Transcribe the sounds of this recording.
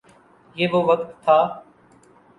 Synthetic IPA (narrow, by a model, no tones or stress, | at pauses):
jeːboːʋəkt̪ʰːaː